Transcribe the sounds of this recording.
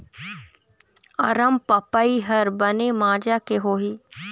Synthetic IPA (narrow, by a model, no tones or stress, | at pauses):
ɐɾəmpɐpaiɦɐɾbɐnemaːd͡ʒakeɦoːɦiː